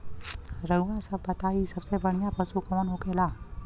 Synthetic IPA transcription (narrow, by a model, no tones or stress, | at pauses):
ɾəuʋãsəbːət̪aːisəbsebəɳ̤̃ijãpəsukoːnɦokelaː